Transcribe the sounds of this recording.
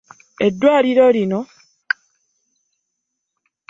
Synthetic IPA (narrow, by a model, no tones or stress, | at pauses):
edːwaːliɾolino